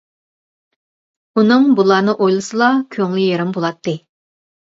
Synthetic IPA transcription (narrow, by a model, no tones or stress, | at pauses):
unɨŋbulˠɑnɨʔojlˠɨsɨlˠɑkʲʰøŋlyjeɾɪmbolˠɑt̪ːɨ